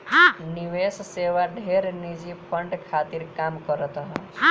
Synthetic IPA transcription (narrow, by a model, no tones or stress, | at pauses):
ɦãniʋesseʋaɖʱeɾnid͡ʒipʰəɳɖkʰat̪iɾkamkɔɾɔt̪ɔɦɔ̃ɦã